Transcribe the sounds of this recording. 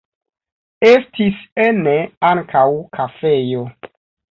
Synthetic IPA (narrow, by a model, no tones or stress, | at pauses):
e̞stiseneaŋkʰawkʰafe̞jo̞